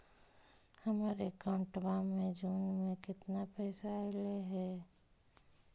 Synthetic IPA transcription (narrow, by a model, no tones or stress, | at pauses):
həmaːɾekaʊɳʈbamẽd͡ʒuːnmẽkɪt̪napɛːsaɪleɦɛː